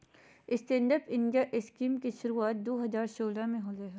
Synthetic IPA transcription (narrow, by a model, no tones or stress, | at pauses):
ɪsʈẽːɳɖəpɪ̃nɖijaʔɪskiːmkiʃʊɾuaːt̪̚d̪oːɦɐzaːɾsoːlamẽɦoːleɦɛː